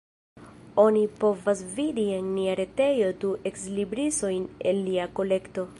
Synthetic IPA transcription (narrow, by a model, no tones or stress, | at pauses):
o̞nipo̞vasvidienːiaɾe̞te̞jo̞duʔe̞kslibɾiso̞jnelːiako̞le̞kto̞